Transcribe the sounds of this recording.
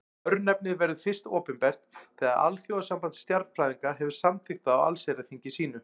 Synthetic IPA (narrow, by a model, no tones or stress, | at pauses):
œɾnɛp̚nɪðvɛɾðʏfɪr̥st̪oːpɪnpɛr̥t̪θɛːɣaðʔa̰lθjowasampant̪st̪jaɾt̪fɾajðiŋkaɦɛvʏ̥samt̪ʰɪxt̪aːwa̰lsɛjɾaθiɲcɪsiːnʏ